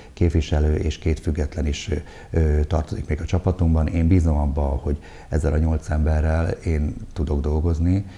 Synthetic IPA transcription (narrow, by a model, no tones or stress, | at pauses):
keːpʋiʃɛløːʔeːʃkeːt̪fyɡːɛt̪lɛniʃ | øt̪ɒrt̪o̞zikmeːɡɒt͡ʃɒpɒt̪umbɒneːmbiːzo̞mɒbːɒho̞ɟ | ɛzːɛlɒɲo̞lt̪sɛmbɛrːɛleːnt̪ud̪o̞ɡd̪o̞lɡo̞zni